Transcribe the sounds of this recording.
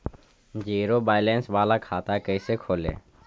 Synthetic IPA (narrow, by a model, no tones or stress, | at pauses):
d͡ʒiːɾoːbaːɪleːnsʋaːlaːkʰaːt̪aːkəiseːkʰoːlḛː